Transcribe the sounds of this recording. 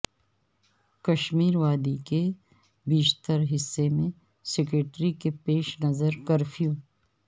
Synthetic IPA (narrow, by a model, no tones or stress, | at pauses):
kɐʃmiːɾʋaːd̪ike | biːʃt̪əɾɦɪsːemẽ | sɛk̬ɾeːʈɾikepeːʃnɐzəɾkɐɾfʰijuː